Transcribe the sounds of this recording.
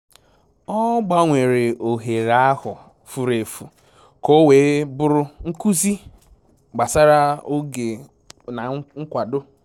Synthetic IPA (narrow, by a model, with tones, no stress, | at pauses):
ɔ˦ɡ͡ba˦ŋʷe˨ɾe˨o˨ɦe˨ɾa˦hʊ˨ | fu˨ɾe˨fu˨ | ko˦we˨˦bʊ˦ɾʊ˦ŋ̩˦ku˦zi˦ | ɡ͡ba˨sa˦ɾa˦o˦ɡe˨ | na˨ŋ̩˦kʷa˨do˦